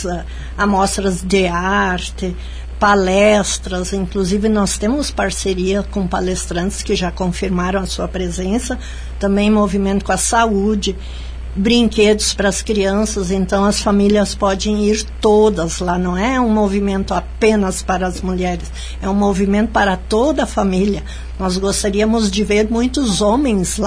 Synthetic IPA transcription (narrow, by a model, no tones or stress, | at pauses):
amɔst̪ɾɐzd̪ɪaɾt̪ɪ | palɛst̪ɾɐzĩŋkluzivɪnɔst̪ẽmʊspaɾseɾiɐkõpalest̪ɾɐ̃nt̪ɪ̥skɪʒakõfiɾmaɾɐ̃w̃ɐsuɐpɾezẽsɐ | t̪ɐ̃mbẽj̃movimẽnt̪ʊkõɐsaud͡ʒɪ | bɾĩŋked̪ʊspɾɐskɾiɐ̃sɐzẽnt̪ɐ̃w̃ɐsfamiliɐspɔd̪ẽj̃iɾt̪od̪ɐzlanɐ̃w̃ɛũmovimẽnt̪ʊapẽnɐspaɾɐɐzmuʎɛɾɪs | ɛũmovimẽnt̪ʊpaɾɐt̪od̪ɐɐfamiliɐ | nɔzɡost̪aɾiɐmʊzd͡ʒɪveɾmũj̃t̪ʊzõmẽj̃sl